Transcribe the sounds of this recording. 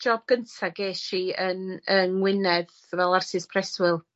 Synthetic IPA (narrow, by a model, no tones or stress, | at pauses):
d͡ʒɔb̚ɡ̥əntʰaɡeːʃiənənwɪnɛð | vɛlˠarsɨspʰrɛswɪlˠ